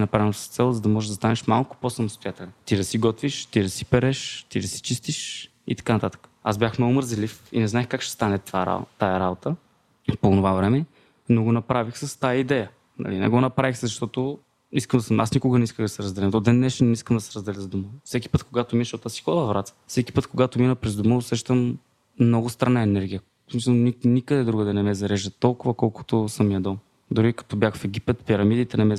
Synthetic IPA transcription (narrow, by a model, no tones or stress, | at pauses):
nɐpɾavsst̪sɛlˠzɐd̪ɐmɔʒɛʒd̪ɐst̪anɛʃmalˠkʊ̥posɐmʊst̪ʊjat̪ɛlʲɛt̪id̪ɐsiɡɔt̪viʃt̪id̪ɐsi̥pɛɾɛʃt̪id̪ɐsi̥t͡ʃist̪iʃ | ḭt̪ɐ̥kanɐt̪at̪ə̥kə̥azbʲjaxmnoʊməɾzɛlifinɛznaɛxkakʃt̪ɛ̥st̪anɛt̪vaɾa̰t̪ajɐɾabot̪ə | ponovavɾɛmɛ | noɡonɐpɾavixsɐst̪ajəid̪ɛjə | nɐ̰linɛ̰ɡonɐpɾavixzɐʃt̪ɔt̪ʊ | iskəmd̪ɐsəmʔasnikʊɡənɛiskəɣd̪ɐsɛɾɐzd̪ɛlɛmt̪od̪ɛnːɛʃt̪iniskəmd̪ɐsɛɾɐzd̪ɛlʲəzd̪uməfsɛkʲi̥pɤt̪koɡat̪ominʃot̪asi̥xɔd̪ˠɐvɾat̪sə̥fsɛkʲi̥pɤt̪koɡat̪ominəpɾɛzd̪uməʊsɛʃt̪əm | nɔɡʊst̪ɾanaɛnɛɾɡʲijə | smisəlˠninikəd̪ɛd̪ɾuɡəd̪ɐnɛmɛzɐɾɛʒət̪ɔlˠkʊvɐkɔlˠkʊ̥t̪ʊsəmjɐd̪ɔm | d̪ʊɾikɐ̥t̪ɔbʲjaxfɛɡipɛt̪piɾɐmid̪it̪ɛnɛmɛ